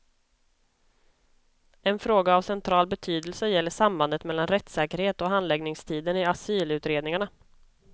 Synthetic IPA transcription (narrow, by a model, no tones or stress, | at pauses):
ɛnfɾoːɡaːvsɛnt̪ʰɾɑːlbɛt̪ʰyːd̪əlsəjɛlːəʂamband̪ət̪mɛlːanɾɛt̪sɛːkəɾheːt̪ɔɦand̪lɛɡnɪŋst̪ʰiːd̪ənɪasyːlʉ̟ːt̪ɾeːd̪nɪŋaɳa